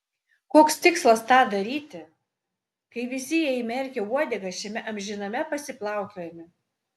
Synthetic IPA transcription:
koːkst̪ʲɪkslˠɐst̪ɑːd̪ɐɾʲiːt̪ʲɪ | kɐɪʋʲɪsʲɪjɛimʲɛɾʲkʲɛuɔd̪ʲɛɡɐʃʲɛmʲɛʔɐmʲʒʲɪnɐmʲɛpɐsʲɪplˠɑˑʊk̪ʲoːjɛmʲɪ

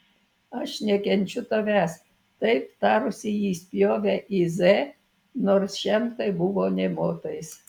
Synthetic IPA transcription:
ɐʃnʲɛkʲɛnʲt͡ʃʲʊt̪oʋʲæːs | t̪ɐɪpt̪ɑːɾʊsʲɪjiːsʲpʲjoːʋʲɛʔɪzɛ | noːɾsʃʲɛmt̪ɐɪbʊʋoːnʲɛmoːt̪ɐjs

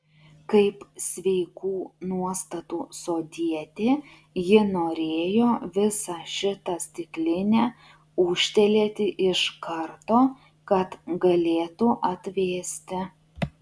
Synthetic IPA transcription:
kɐɪpsʲʋʲɛɪkuːnuɔst̪ɐt̪uːsoːd̪ʲiɛt̪ʲeː | jɪnoːɾʲeːjoːʋʲɪsɑʃʲɪt̪ɐsʲt̪ʲɪklʲɪnʲæː | ʊʃʲt̪ʲɛlʲeːt̪ʲɪʔɪʃkɐɾt̪oː | kɐt̪ɡɐlʲeːt̪uʔɐt̪ʲʋʲeːsʲt̪ʲɪ

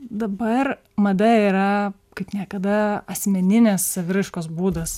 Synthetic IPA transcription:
d̪ɐbɐr | mɐd̪ɐiːɾɐ | kɐɪpnʲiɛkɐd̪ɐɐsʲmʲɛnʲɪnʲɛsːɐʋʲɪɾʲɪʃkoːsbuːd̪ɐs

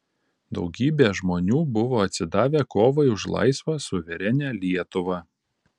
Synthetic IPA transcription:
d̪ɒ̰ʊɡʲiːbʲeːʒmoːnʲuːbʊʋoːɐt̪ʲsʲɪd̪ɑːʋʲeːkoːʋɐɪʊʃlˠɐ̰ɪsʋɑsʊʋʲɛɾʲɛnʲɛːlʲiɛt̪ʊʋɑ

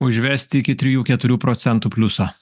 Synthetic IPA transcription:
ʊʒʲʋʲɛˑsʲt̪ʲɪɪkʲɪt̪ʲɾʲɪjuːkʲɛt̪ʊɾʲuːpɾoːt̪sʲɛnt̪uːpʲlʲʊsoː

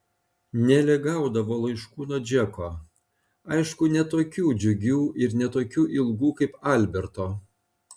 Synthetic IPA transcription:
nʲɛlʲɪɡɑˑʊd̪ɐʋoːlˠɐɪʃkuːnoːd͡ʒʲɛkoː | ɐɪʃkʊnʲɛt̪oːkʲuːd͡ʒʲʊɡʲuːɪɾnʲɛt̪oːkʲuːʔɪlˠɡuːkɐɪpɐlʲbʲɛɾt̪oː

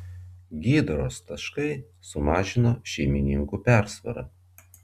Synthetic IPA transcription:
ɡʲiːd̪ɾoːst̪ɐʃkɐɪ | sʊmɑːʒʲɪnoːʃʲɛɪmʲɪnʲɪŋkuːpʲæˑɾsʋɐ̰ɾɐ̰

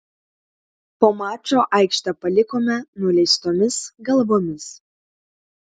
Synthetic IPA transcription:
poːmɑːt͡ʃoʔɑɪkʃt̪ɐpɐlʲɪkomʲɛnuːlʲɛɪst̪oːmʲɪsɡɐlˠboːmʲɪs

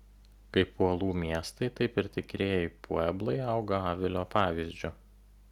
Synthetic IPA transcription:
kɐɪpuɔlˠuːmʲiɛst̪ɐɪt̪ɐɪpɪɾt̪ʲɪkɾʲeːjɛɪpʰuɛblˠɐɪɐʊɡɐɑːʋʲɪlʲoːpɑːʋʲɪzʲd͡ʒʲʊ

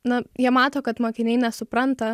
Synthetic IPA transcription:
nɐjiɛmɑːt̪oːkɐt̪moːkʲɪnʲɛɪnʲɛsʊpɾɐnt̪ɐ

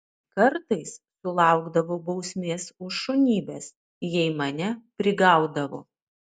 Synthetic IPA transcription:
kɐɾt̪ɐɪsːʊlˠɑˑʊɡd̪ɐʋoːbɐʊsʲmʲeːsʊʃʃʊnʲiːbʲɛːs | jɛɪmɐnʲɛpʲɾʲɪɡɑˑʊd̪ɐʋo̰ː

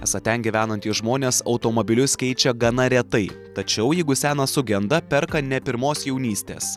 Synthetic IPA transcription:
ɛ̰sɐt̪ʲɛnʲɡʲiːʋʲæːnɐnʲt̪ʲiːsʒmoːnʲeːsɒʊt̪oːmoːbʲɪlʲʊskʲɛɪt͡ʃʲɛɡɐnɐɾʲɛt̪ɐɪt̪ɐt͡ʃʲɛʊjɛɪɡʊsʲæːnɐsʊɡʲɛnd̪ɐpʲɛɾkɐnʲɛpʲɪɾmoːsjɛʊnʲiːsʲt̪ʲḛːs

